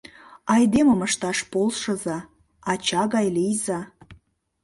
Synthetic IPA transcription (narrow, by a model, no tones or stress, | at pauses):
ɑjd̪eməməʃt̪ɑʃpolʃə̆zɑ | ɑt͡ɕɑɣɑjlijzɑ